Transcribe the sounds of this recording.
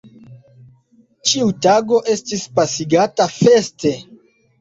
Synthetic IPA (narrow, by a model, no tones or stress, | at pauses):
t͡ʃiutaɡo̞ʔe̞stispasiɡatafe̞ste̞